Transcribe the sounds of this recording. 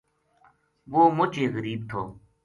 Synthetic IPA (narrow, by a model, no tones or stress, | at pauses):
ʋoːmʊt͡ʃeːɣəɾiːb̚t̪ʰo̰ː